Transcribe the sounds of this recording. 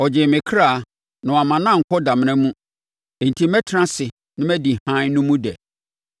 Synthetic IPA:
ɔ˨d͡ʑɪ˨mɪ̃˨kʰɾaː˦˨ | nʊ̃˨a˨mã˨nã˦ŋ̩˨kʰɔ˦da˨m̃˨˦nɛ̃˦mũ˦ | e˨n̩˨tʰi˦mɛ˦tʰɾã˦sɪ˨ | nɪ̃˦mɛ˦di˨hã˦nũ˦mũ˦dɛ̰˨

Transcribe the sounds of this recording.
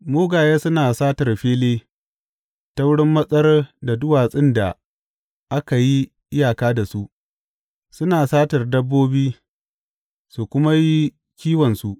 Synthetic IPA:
moː˦ɡaː˨jeː˦sʊ˦naː˨saː˦tɐ˨rɸeː˦leː˦ | tɐ˦wɽɪ˦mːɐ˦sʼɐ˦rda˨dʊ˦waː˨sʼɪ˦nda˨ | ʔa˦ka˨ji˦ | ʔɪ˦jaː˨kaː˦da˨su˦ʔ | sʊ˦naː˨saː˦tɐ˨rdɐ˦bːoː˦biː˦ | su˨kʷʊ˦ma˦ji˦ | kʲiː˦wɐ˨nsu˦ʔ

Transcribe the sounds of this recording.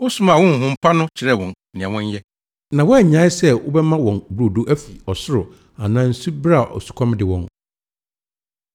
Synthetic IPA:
ʊ˦sʊ̃˦m˨a˨wɔ̃˦ŋ̩˨ɦʊ̃˦m̩˦pʰa˦nʊ̃˦t͡ɕʰɪ˨ɾɛ˦˨wɔ̃˨n | nɪ̃˨ã˨wɔ̃˦ɲ˦jɛ˦ | nã˨wɔ˦ɛ˨ɲãː˨˦ɪ˦sɛ˦wʊ̰˦bɛ˦mã˦wɔ̃˨n˨bu˦ɾo˨du˦ʔæ˦fi˨ɔ˨sʊ˦ɾʊ˨ | a˨nã˦n̩˦su˦bɾa˦˨ʔɔ̰˨su̥˨kʷʰɔ̃˦m˦dɪ˨wɔ̃˨n

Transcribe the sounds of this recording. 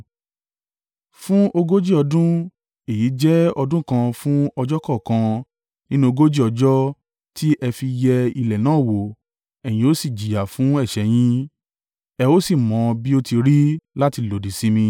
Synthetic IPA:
fũ˦o˧ɡo˦d͡ʒi˦ɔ˧dũ˦ | e˨ji˨˦d͡ʒɛ˦ɔ˧dũ˦kã˧fũ˦ɔ˧d͡ʒɔ˦kɔ˦˨kã˧ | nĩ˦nũ˦o˧ɡo˦d͡ʒi˦ɔ˧d͡ʒɔ˦ | tʰi˦ʔɛ˧fi˧jɛ˧i˧lɛ˨nãː˨˦˨wo˨ | ɛ˨j̃ĩ˧˨o˨˦si˦˨d͡ʒi˨ja˨fũ˨˦ɛ˦˨ʃɛ˨˦j̃ĩ˦ | ɛ˧o˦si˦˨mɔ̃˨˦bi˦o˧ti˧ɾi˦la˦ti˧lo˨di˨si˨˦mĩ˧

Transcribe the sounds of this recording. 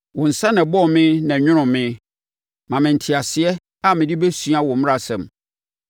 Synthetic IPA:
wɔ̃˨n̩˨sã˦nã˨bɔ˦˨mɪ̃˦nã˨ɲᶣʊ̃˦ɾ̃ʊ̃˨mɪ̃˦ | mã˨mɪ̃˨n̩˨tʰɪ˨a˨sɪ˨ɛ˦ | a˦mɪ̃˨dɪ˦bɛ˦sũ˦a˦wɔ̃˨m̃˦a˨sɛ̰̃˨m

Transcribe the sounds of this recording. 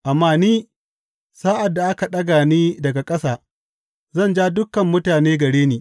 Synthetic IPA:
ʔa˨mːaː˦niː˦ | saː˦ʔa˨dːa˨ʔa˦ka˨ɗɐ˦ɡaː˨niː˦dɐ˨ɡa˨kʼɐ˦saː˨ | zɐ˦˨nd͡ʒaː˦dʊ˦kːɐ˨mːʊ˦taː˨neː˦ɡɐ˨ɽeː˦niː˨

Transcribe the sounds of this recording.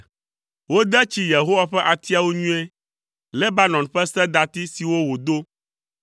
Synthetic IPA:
wo˦d̪ɛ˦t͡ɕi˦je˨ɦo˦wa˦ɸɛ˦ʔa˨t̪i˦a˨wo˦ɲũ˦e˦ | lɛ˦ba˦nɔ̃˨nɸɛ˦sɛ˦d̪a˨t̪i˦si˨wo˦wo˨d̪o˦

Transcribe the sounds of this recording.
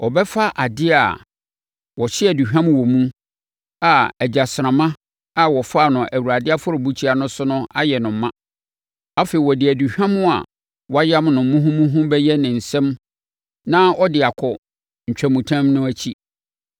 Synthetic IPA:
ʔɔ˨bɛ˦fa˦ʔa˨dɪ˦a̰˨ | wɔ˨ɕɪ˦ɛ˨du˨hᶣã˦m̃˦˨wɔ˨mũ˦ | a˨æ˨d͡ʑa˨sɾã˨mã˦ | a˨wɔ˨faː˦˨nʊ̃˨ʔæ˨wu˨ɾa˨dɪ˦a˦fʊ˦ɾʊ˨bu˦t͡ɕʰi˦a˨nʊ̃˦sʊ˦nʊ̃˦a˦jɛ˨nʊ̃˨m˨˦mã˦ | a˦fe˨i˨wɔ˨dɪ˨æ˨du˨hᶣã˦mʊ̃˦a̰˨ | wɔ˦a˦ja˦mnʊ̃˨m̩˦mũ˦ɦũ˦mũ˦ɦũ˦bɛ˦jɛ˦nɪ̃˨n̩˨sɛ̃˦m | nã˦ɔ˦dɪ˨a˨kʰɔ˨ | ɲ̩˨t͡ɕᶣæ˨mũ˨tʰã˦mnʊ̃˦æ˦t͡ɕʰi˦

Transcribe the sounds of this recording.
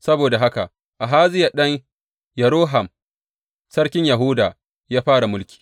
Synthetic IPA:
sɐ˦boː˨da˨ɦa˦ka̰˨ʔ | ʔa˨ɦaː˦zɪ˦ja˨ɗɐ˦ɲ | jɐ˨ɽoː˦ɦa˨m | sɐ˦ɽkʲɪ˦ɲja˨ɦuː˦daː˨ | jaː˦ɸaː˦ɽa˨mʊ˦lkʲi̥ː˨

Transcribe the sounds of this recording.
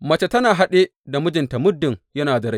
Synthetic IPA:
mɐ˨t͡ʃe˨tɐ˦naː˨ɦa˦ɗe˦da˨mʊ˦d͡ʒɪ˨nta˨mʊ˦dːɪ˨ŋjɐ˦naː˨dɐ˨ɾa˦

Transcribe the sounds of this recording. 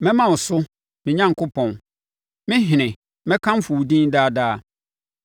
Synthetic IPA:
mɛ̃˦mã˨ʊ˨sʊ˦ | mɪ̃˨ɲã˦ŋkʰʊ˦pʰɔ̃˨n | mɪ̃˦ɦɪ˨nɪ̃˨ | mɛ̃˦kʰã˦m̩˦fʊ˨dĩ˦n˦daː˦˨daː˦˨

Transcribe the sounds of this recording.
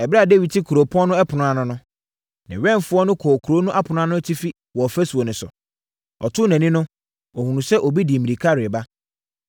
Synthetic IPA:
ɛ˨bɾa˦˨de˦wi˨tʰɪ˦kʰu˨ɾo˨pʰɔ̃˦nʊ̃˦ɛ˦pʰʊ˨nʊ̃˦a˦nʊ̃˦nʊ̃˦ | nɪ̰̃˨ɥɛ̃˦mfʊ˦ɔ˦nʊ̃˦kʰɔ˨kʰu˨ɾo˦nũ˦ʔa˦pʰʊ˨nʊ̃˦ã˦nʊ̃˦ɛ˦tʰi˦fi˦ | wɔ˨ɔ˨fæ˦su˨o˨nʊ̃˨sʊ̰˨ | ɔ˨tʰʊ˦næ̃˨nĩ˦nʊ̃˦ | ɔ˨hũ˨nũ˨sɛ˦ʔɔ˨bi˦di˨mĩ˨ɾi˨kʰa˦˨ɾɪ˨ɛ˨ba˦

